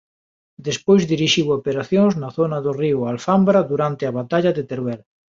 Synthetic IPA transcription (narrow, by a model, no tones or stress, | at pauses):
d̪espojzðiɾiʃiwopeɾaθjõŋznɐθonɐðoriʊalfambɾɐðuɾant̪eɐβat̪aʎɐðet̪eɾβɛl